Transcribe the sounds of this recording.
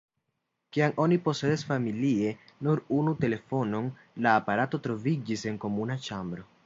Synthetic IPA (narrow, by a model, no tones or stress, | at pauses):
kiaŋo̞nipo̞se̞dasfamilie̞nuɾunute̞le̞fo̞no̞n | laːpaɾato̞tɾo̞vid͡ʒise̞ŋko̞munat͡ʃambɾo̞